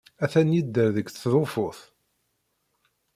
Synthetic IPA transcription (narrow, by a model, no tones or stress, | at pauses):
æθænjid̪ːəɾðəkθðˤofʊθ